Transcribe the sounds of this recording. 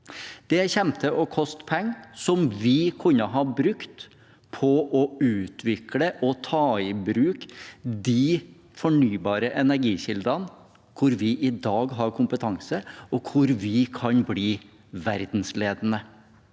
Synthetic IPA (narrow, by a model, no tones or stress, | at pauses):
d̪̥ɛçɛmt̪ʰəʔɔkʰɔst̪pʰɛŋːsɔmʋɪkʰʊnːəɦɑbɾʉkt̪ | pʰɔʔɔʉːt̪ʰʋɪkʰləʔɔt̪ʰɑːɪbɾʉːkd̪iː | fɔɳyːbɑːɾəʔɛnæɾɡiːɕɪld̪ɾɑn | kʰʊɾʋɪʔɪd̪ɑːɡɦɑɾkʰʊmpət̪ʰɑŋsəɔkʰʊɾʋɪkʰɑnbliː | ʋæɾd̪n̩sleːd̪ənə